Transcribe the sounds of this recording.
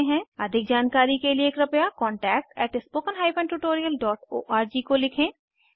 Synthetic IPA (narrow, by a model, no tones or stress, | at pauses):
ɦɛ̃ɐd̪ʱɪk̚d͡ʒaːnkaːɾikelieːkɾɐpjakɔːɳʈɛːk̚ʈɛːʈɪspoːkənɦaːipʰɛ̃ːɳɖʈuʈoːɾijəlɖɔːʈo̰ːʔaːɾd͡ʒikolɪkʰẽː